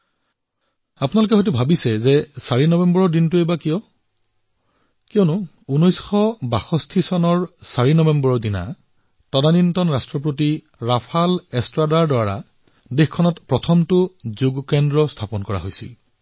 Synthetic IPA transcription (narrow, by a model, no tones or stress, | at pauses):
apunalʊk̬ɛɦɔjt̬ubʱabisɛzɛsaɹinɔbɛmbɔɹɔɹdintʊebakijɔ | kijɔnʊ | unɔjsxɔbaxɔstʰisɔnɔɹsaɹinɔbɛmbɔɹɔɹdina̰ | tɔdanintɔnɹastɹɔp̬ɹoti | ɹapʰalɛstɹadaɹdɔaɹa̰ | dexkʰːɔnɔtpɹɔtʰɔmtʊzuɡkɛndɹɔstʰapɔnkɔɹa̰ɦojsḭl